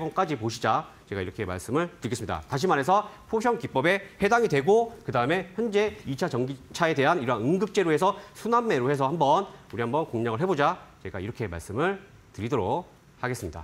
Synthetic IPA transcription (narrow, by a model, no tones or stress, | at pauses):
ɡʌŋk͈ad͡ʑipoɕʰid͡ʑa | t͡ɕe̞ɡaiɾʌkʰe̞ma̰ɭs͈ɯmɯɭtɯɭɡes͈ɯmɲida̰taɕ̬ʰimaɾɦe̞sʰʌpʰoɕʰjʌŋkip͈ʌbe̞he̞daŋidwe̞ɡokɯdaɯme̞çjʌnd͡ʑe̞it͡ɕʰat͡ɕʌŋɡit͡ɕʰae̞de̞ɦaniɾanɯŋɡɯp̚t͡ɕ͈e̞ɾoɦe̞sʰʌsʰunamːe̞ɾohe̞sʰʌhambʌnuɾiɦambʌnkoŋɲaŋɯɭɦe̞bod͡ʑat͡ɕe̞ɡa̰iɾʌkʰe̞ma̰ɭs͈ɯmɯɭ | tɯɾidʌɾok | haɡe̞s͈ɯmɲida̰